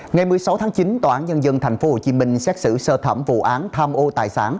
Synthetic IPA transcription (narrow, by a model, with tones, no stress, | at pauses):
ŋa˨˩jmɨ˨˩əjsa˨˦wt̪ʰaː˨˦ŋt͡ɕi˨˦nt̪oː˧˩ʔaː˨˦nɲə˧nzə˧nt̪ʰa˨˩jŋ̟fo˨˦ho˧˨˩t͡ɕi˨˦mï˧ŋ̟sɛ˦˥t̚sɨ̰˧˩səː˧t̪ʰə˧˩mvṵ˧˨ʔaː˨˦nt̪ʰaː˧mʔo˧t̪a̰ː˧˨jsa̰ː˧˩˦n